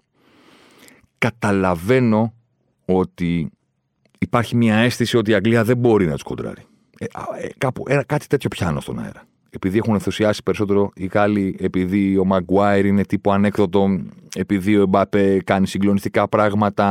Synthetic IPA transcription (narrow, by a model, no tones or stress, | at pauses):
kɐt̪ɐlɐve̞no̞ | o̞t̪iː | pɐɾçimɲɐe̞st̪isio̞t̪iːɐɡliɐðe̞bo̞ɾinɐt̪u̥sko̞nd̪ɾɐ̰ɾi | ekɐpuʔenɐkɐt̪i̥t̪e̞t̪ço̞pçɐnost̪o̞̰nɐ̰ḛɾɐ | e̞piðie̞xunenθusiɐsi̥pe̞ɾiso̞t̪e̞ɾo̞iɣɐlie̞piðio̞mɐɡwɐeɾine̞t̪ipoɐne̞kθot̪o̞e̞piðio̞ebɐpekɐnisiŋɡlo̞nist̪ikɐpɾɐɣmɐt̪ɐ